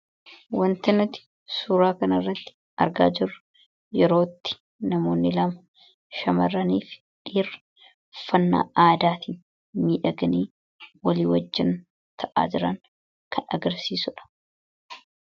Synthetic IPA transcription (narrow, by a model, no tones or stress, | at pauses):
wɐnt̪ɐnʊt̪ɪ̥ | suːɾaːkɐnɐɪrːɐt̪ːɪ̥ | ɐ̰ɾɡa̰ːd͡ʒɪrːɐ | jɛɾo̞ːt̪ːɪ̥ | nɐmo̞ːnːɪlɐmɐ | ʃɐmɐrːɐniːf | ᶑiːrɐ | fɐnːa̰ːaːd̪aːt̪iːn | miːᶑɐɡɐniː | wɐliːwɐd͡ʒːɪn | t̪ʰɐʔa̰ːd͡ʒɪɾɐŋ | kʰɐnɐ̰ɡɐɾsiːsʊᶑɐ̥